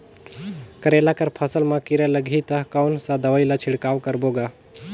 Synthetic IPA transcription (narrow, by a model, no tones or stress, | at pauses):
kəɾelakəɾpʰəsəlmãkɪɾɛləɡʱit̪əkawnsãd̪əʋəilat͡ʃʰɪɽkaːʋkəɾboːɡaː